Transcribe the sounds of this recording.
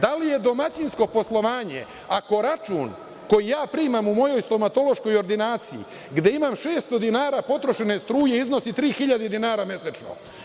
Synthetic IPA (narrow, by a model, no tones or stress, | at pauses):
d̪alije̞d̪o̞mat͡ɕinsko̞po̞slˠo̞ʋaːɲḛ | ako̞ɾat͡ʃṵːn | ko̞jijaːpɾiːmamumo̞jo̞jst̪o̞mat̪o̞lo̞ʃko̞jo̞ɾd̪inaːt̪sijḭ | ɡd̪e̞imamʃeːst̪o̞d̪inaːɾaːpo̞t̪ɾo̞ʃene̞st̪ɾuːjeizno̞sit̪ɾiːxiʎad̪ed̪inaːɾamje̞set͡ʃno̰